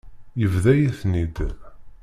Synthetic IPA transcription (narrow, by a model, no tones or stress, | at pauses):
jəvðæjiθnid̪